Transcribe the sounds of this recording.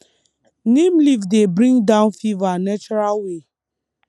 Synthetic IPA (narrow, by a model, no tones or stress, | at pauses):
nemlivdebɾĩŋdãʊnfivanɛt͡ʃɔɾalwe